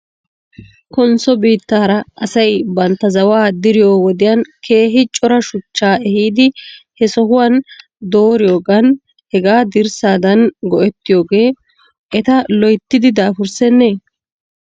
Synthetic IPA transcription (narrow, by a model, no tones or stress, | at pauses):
kɔnsɔbiːt̪ːaːɾɐʔɐsɐjbɐnt̪ːɐzɐwaːd̪ɪɾɪjo̞ːwɔd̪ɪjɐnkʰe̞ːɦɪt͡ʃʼːɔɾɐʃʊt͡ʃːaːɛhiːd̪ɪhɛsɔɦʊwan | d̪oːɾɪjo̞ːɡɐn | hɛɡaːd̪ɪɾsaːd̪ɐnɡɔʔɛt̪ːɪjo̞ːɡe̞ː | ʔɛt̪ɐlɔjt̪ːɪd̪ɪd̪aːfʊɾsɛnːeː